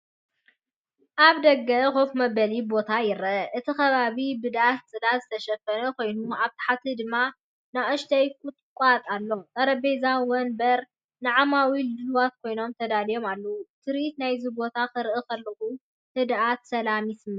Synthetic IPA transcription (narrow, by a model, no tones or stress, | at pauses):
ʔaβd̪ɐɡːɐxo̞fmɐbɐlibo̞t̪ʰajɪɾʔɨt̪ʰixɐβaβibɨd̪at̪̚t͡sʼɨlazɨt̪ʰɐʃɐfɐnɐkʰo̞jnuaβt̪ʰḁħat̪ʰɨd̪ɨmːa | naɐʃt̪ʰɐjkʼʊt̪ʼkʼat̪ʼalːo̞mt̪ʼɐɾɐbezawɐnbɐɾ | nɨʕamawilɨlwat̪̚kʰo̞jno̞mt̪ʰɐd̪alijo̞malːɐwut̪ʰɨɾit̪najzɨbo̞t̪ʰakɨɾʔɨkɐlːɨʔu | hɨd̪ʔat̪sɐlamisɨmːɨ